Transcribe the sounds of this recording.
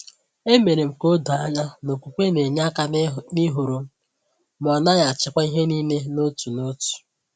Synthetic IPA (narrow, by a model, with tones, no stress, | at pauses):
e˦me˨ɾe˨m̩˨ko˦do˨a˦ɲa˦no˨kʷu˨kʷe˦ne˨ɲa˦ka˦ni˦ɦo˨ɾo˨˦ | m˨ɔ˨na˦ɲa˨a˨t͡ʃɪ˨kʷa˦i˦ɦe˦ni˦ne˦no˦tu˨no˦tu̥˨